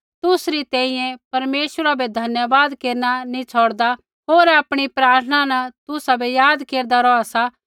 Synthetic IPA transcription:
t̪ʊsɾit̪ɛ̃ːĩjɛ̃pɐɾmeːʃwəɾabɛd̪ʱɐnjəʋaːd̪keːɾnanĩt͡sʰoːɽd̪a | ɦoːɾaːpɽ̃ipɾaːɾt̪ʰənanɐt̪ʊsabʱɛjaːd̪keːɾd̪aɾɔasa

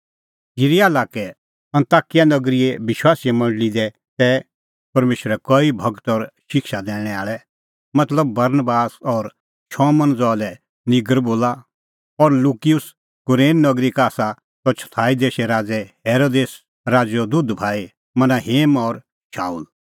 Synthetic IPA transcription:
iɾiaːlaːkɛ | ɐ̃nt̪aːkijanɐɡɾiɛʋɪʃwaːsijɛmɐ̃ɳɖəlid̪ɛ | t̪ɛ | pɐɾmeːʃəɾɛkɔibʱɐɡt̪ɔɾʃɪkʃad̪ɛ̃ːɽ̃ɛ̃aːɭɛ | mɐt̪ləbːɐɾnbaːsɔːɾ | ʃɔːmɐ̃nd͡zɔːlɛ | nɪɡəɾboːla | ɔɾluːkijʊs | kʊɾeːnːɐɡɾikaːsa | t̪ɔt͡ʃʰɐ̥t̪ʰaːid̪eːʃɛɾaːd͡zɛheːɾoːd̪eːs | ɾaːd͡ʒɔd̪ʊd̪bʱaːi | mɐnaɦeːmɔːɾ | ʃaːuːl

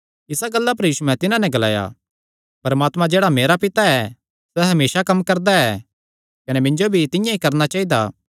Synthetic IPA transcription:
ɪsaɡɐlːapɐɾjiːsuɛ̃t̪ɪnãnɛ̃ɡɐla̰ːja̰ː | pɐɾɐmaːt̪mãd͡ʒeːɽameːɾapɪt̪aɛ | sɛɦɐmeːsakɐmːkɐɾd̪aɛ | kɐnɛmɪ̃ɲd͡ʒobʱit̪ɪ̃jãikɐɾnat͡ʃaːid̪a̰ː

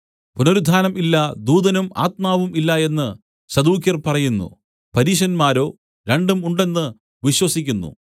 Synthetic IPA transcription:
punoɾud̪ʱaːnɐmilːɐd̪uːd̪ɐnuma̰ːt̪̚maːʋumilːɐe̞nːɨ | sɐd̪uːkjɐrpɐrɐjunːṵ | pɐɾiːɕɐnmaːɾo̞ː | ɾe̞ɳɖumuɳɖe̞nːɨ | ʋiɕwɐsikʲːunːṵ

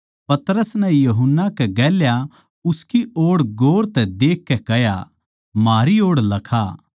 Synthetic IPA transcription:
pɐt̪ɾəsnɛjuɦʊnːakɛɡɛːlja | ʊskiʔoːɽɡoːɾt̪ɛd̪eːkːɛkɛja̰ | maːɾioːɽlɐkʰaː

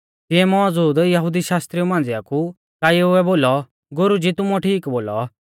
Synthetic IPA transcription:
t̪ɪɛmɔd͡zuːd̪jɐɦʊd̪iʃaːst̪ɾiumãːn̆d͡ziaku | kaːjuɛboːlɔ | ɡʊɾud͡ʒit̪ʊmɔʈʰiːkboːlɔ̰

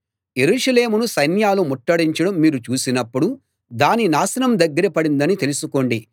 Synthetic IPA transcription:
je̞ɾuːʂɐle̞ːmunusɐjnjaːlumuʈːɐɽiɲt͡ʃɐɽɐmːiːɾut͡ʃuːsinɐpːuɽu | d̪aːninaːsɐnɐmd̪ɐɡːɐɾɐpɐɽind̪ɐnit̪e̞lusuko̞ɳɖi

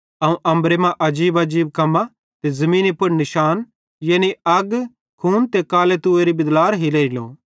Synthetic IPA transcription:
ɐũʔɐ̃mbɾemãʔɐd͡ʒiːbɐd͡ʒiːb̚kɐmːa | t̪ezɐmĩːnipʊɽnɪʃaːn | jeːniɐɡ | kʰuːnt̪ekaːlet̪uːeɾibɪd̪laːɾɦileːlo̰ː

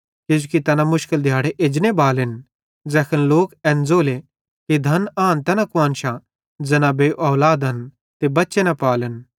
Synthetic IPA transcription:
kɪd͡ʒukit̪ɛnãmʊʃkəld̪ʱjaːɽeʔed͡ʒnebaːlɪn | d͡zɛːkʰənloːkɛ̃ːnd͡zoːle | kid̪ʱɐnaːnt̪ɛːnãkʊãːnʃa | d͡zɐnãbeʔɔːʋlaːd̪ɦɐn | t̪ebɐtːʃenɐpaːlən

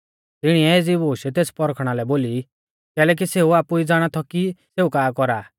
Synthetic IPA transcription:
t̪ɪɽ̃iɛeːd͡zibʱoːʃɛt̪eːspɔɾkʰɽ̃alɛboːli | kɛːlɛːk̬iseuaːpuid͡zaːɽ̃at̪ʰɔkiseukaːkɔɾaː

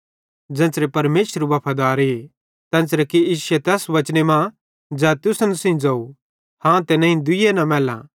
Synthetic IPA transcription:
d͡ʒɐ̃nsɾepɐɾmeːsəɾuʋɐpʰɐd̪aːɾe | t̪ɛ̃ːsɾɐkiiːsʊɛt̪ɛːsʋɐt͡ʃnemã | d͡ʒaːt̪ʊsənsĩĩd͡ʒɐu | hãt̪enɐ̃ĩd̪ʊjenɐ̃mɛːlã̰

